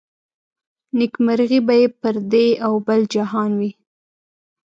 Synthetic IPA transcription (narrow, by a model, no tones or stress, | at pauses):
nɪkmaɾɣibajepəɾd̪eawbəld͡ʒaɦɑnwi